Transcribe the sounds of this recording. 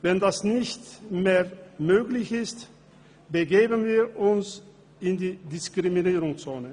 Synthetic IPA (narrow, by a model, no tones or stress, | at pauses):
vɛndasnɪçtmeːɐmøːɡlɪçɪst | b̥əɡeːbənviːɐʔʊns | ʔɪndiːdɪskʁ̥iminiːʁʊŋt͡soːnə